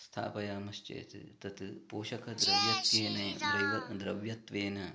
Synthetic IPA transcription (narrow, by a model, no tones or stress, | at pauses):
st̪ʰa̰ːpɐjaːmɐst͡ʃɐ̰jɐt̪ḭt̪ɐt̪ɨpoːʃɐkʰɐd̪ɾɐʋjɐt̪ʋeːnɐd̪ɾɐɐd̪ɾɐʋjɐt̪ʋeːnɐ